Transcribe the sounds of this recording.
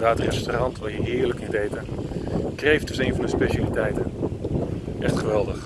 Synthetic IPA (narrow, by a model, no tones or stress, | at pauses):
daːtrɛstorɑntʋajəɦɪːɹləknitejtənkrejfd̥ɵsejnvɑndəspeʃalitɛjtən | ʔɛχtχəʋɛlˠdəχ